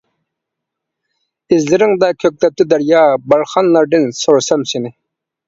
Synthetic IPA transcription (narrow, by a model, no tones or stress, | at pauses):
ɪzlɪɾɪŋd̪ɑkʲʰøk̚ʲlɛp̚t̪ɪd̪æɾjɑːbɑɾχɑnlˠɑɾd̪ɨnsoɾsɑmsɪnɪ